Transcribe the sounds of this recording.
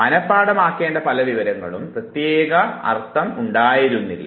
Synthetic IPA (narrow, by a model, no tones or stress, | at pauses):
mɐnɐpːaːɽɐmaːkːe̞ːɳɖɐpɐlɐʋiʋɐɾɐŋːɐ̰ɭumprɐt̪jeːɣɐɐ̰rt̪ʰːɐmuɳɖaːjiɾunːilːɐ̰